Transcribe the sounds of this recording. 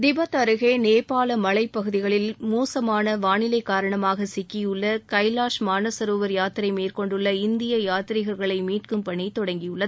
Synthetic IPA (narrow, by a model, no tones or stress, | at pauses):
d̪ɪbɐt̪ɐɾɯɣeːneːpaːlɐmɐlɐɪpːɐɣɯðɪɣɐɭɪlmuːsɐmaːnɐʋaːnɪlɐɪkːaːɾɐɳɐmaːɣɐsɪkːijɯɭːɐkɐɪlaːʂmaːnɐsɐɾoːʋɐɾjaːt̪ɪɾɐɪmeːrkɔɳɖɯɭːɐɪnd̪ɪjɐjaːt̪ɪɾɪɣɐɾɣɐɭɐɪmiːʈkɯmpɐɳiɪt̪ːɔɽɐŋɡɪjɯɭːɐðɯ